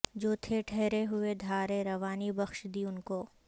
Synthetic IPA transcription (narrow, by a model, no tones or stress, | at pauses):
d͡ʒoːt̪ʰeʈʰɛɦɾeɦʊed̪ʱaːɾeɾɐʋaːnibɐxʃd̪iʊnkoː